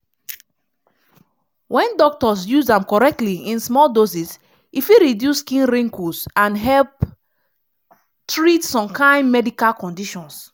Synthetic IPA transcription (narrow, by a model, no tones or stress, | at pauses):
wʔɛ̃ndɔk̚tɔs̬juzãmkɔɹɛk̚tliĩnsmɔldosis | ifiɹidjuskĩnɹẽŋkusãnɦɛlp | tɹitsɔ̃mkãɪ̃nmɛdikalkɔ̃ndiʃɔ̃ns